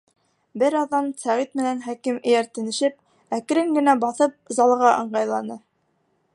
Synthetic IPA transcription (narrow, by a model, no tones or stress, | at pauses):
bɘɾɑðːɑnsæʁit̪̚mɘ̆nænχækimɘ̆jæɾt̪ɘ̆nɘ̆ʃɘp̚ | æk̆ɾɘŋɡɘ̆næbɑθɤp̚zɑlˠʁɑʔɤ̆ɴɢɑjlˠɑnɤ